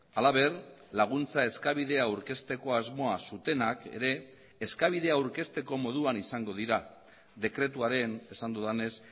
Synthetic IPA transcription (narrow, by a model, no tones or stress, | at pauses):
alaβe̞r | laɣ̞unt͡sae̞skaβ̞ið̞e̞auwɾke̞st̪e̞ko̞azmo̞asut̪e̞nake̞̰ɾe̞ː | skaβið̞e̞awɾke̞st̪e̞ko̞mo̞ð̞uanisaŋɡo̞ðiɾa | d̪e̞kɾe̞t̪uaɾe̞ne̞sand̪uðane̞s